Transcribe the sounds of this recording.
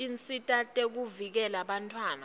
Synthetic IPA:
int͡sʼitʼatʼek̬uvik̬ɛlaɓantʰwaːna

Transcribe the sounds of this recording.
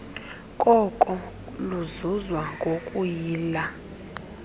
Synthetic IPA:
kʼɔkʼɔ | luzuzwaŋɡʱokʼujiːla

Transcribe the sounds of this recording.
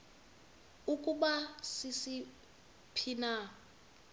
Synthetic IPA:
ukʼuɓasisi | pʰina

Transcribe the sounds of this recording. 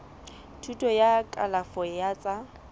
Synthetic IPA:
tʰutʼɔjakʼa̰lafɔjat͡sʼa

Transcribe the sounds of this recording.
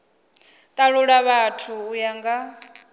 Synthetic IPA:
t̪ʼaɺuɺaβatʰuːjaŋɡa

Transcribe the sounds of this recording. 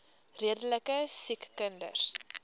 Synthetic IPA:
riədələkəsikːəndə̰r

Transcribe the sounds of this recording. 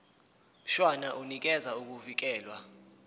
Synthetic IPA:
m̩ʃwanaʔunik̬ɛzauk̬uvik̬ɛːlwa

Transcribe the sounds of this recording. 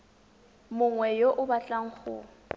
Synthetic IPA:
mʊŋwɛjoʔʊbat͡ɬʼaŋ̩χʊ̰

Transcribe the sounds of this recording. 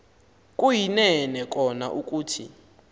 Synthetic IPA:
kʼujinɛnɛk̬ʼɔnaʔuk̬ʼuːtʰḭ

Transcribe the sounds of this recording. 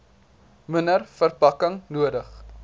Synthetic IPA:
mənərfərpɐkəŋnuədəχ

